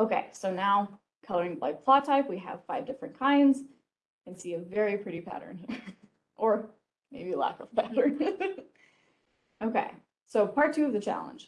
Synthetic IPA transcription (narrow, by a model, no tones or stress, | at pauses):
oʊkeɪsoʊnaʊ | kʰʌlˠə˞ɪ̃ŋla̰ɪk̚pʰl̥ɑtʰaɪpwiɨ̰v̥faɪvdɪfɹɨ̃nkʰãɪ̃ndz | ɨ̃nsiɨvɛɹipʰɹ̥ɪɾipʰæ̰ɾə̰̃˞niɹ | ʔə˞ | meɪbilæ̰kʌv̥pʰæɾə̃˞n | oʊkḛɪ | soʊpʰɑɹtʰʉʌvðɨt͡ʃʰæ̰lˠə̰̃nd̥ʒ̥